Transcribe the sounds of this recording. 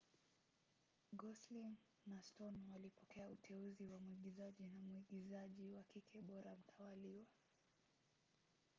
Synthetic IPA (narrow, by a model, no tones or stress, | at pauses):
ɡɔslin | nastɔnwalipɔkɛautʰɛuziwamuiɠizaʄinamuiɠizaʄiwakikʰɛɓɔɾam̩tʰawaliwa